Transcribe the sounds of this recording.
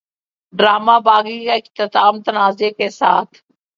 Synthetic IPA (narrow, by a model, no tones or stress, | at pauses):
ɖɾaːmaːbaːɡikaɪkt̪ɪt̪aːmt̪ənaːzekesaːt̪ʰ